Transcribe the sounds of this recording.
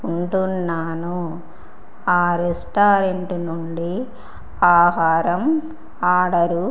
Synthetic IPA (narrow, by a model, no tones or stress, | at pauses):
uɳʈunːaːnu | aːɾesʈaːɾeɳʈunuɳɖi | aːɦaːɾɐm | aːɽɐɾu